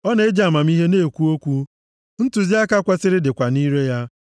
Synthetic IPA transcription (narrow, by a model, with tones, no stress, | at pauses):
ɔ˦ne˨˦e˦d͡ʒa˨a˨ma˨m˦i˦ɦe˦ne˦˨kʷu˦o˦kʷu˦ | n̩˦tʊ˨zi˦a˦ka˦kʷa˦sɪ˦ɾɪ˦dɪ˨kʷa˨ni˦ɾe˦ja˦